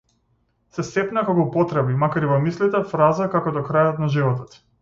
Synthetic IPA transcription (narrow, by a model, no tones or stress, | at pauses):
sɛsɛpnakakɔpɔt̪ɾɛbimakaɾivɔmislit̪ɛfɾazakakɔd̪ɔkɾajɔt̪naʒivɔt̪ɔt̪